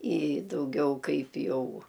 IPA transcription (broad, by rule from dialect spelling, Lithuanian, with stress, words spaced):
ɪ dɐʊˈɡʲɛʊ ˈkɐɪp ˈjɛʊ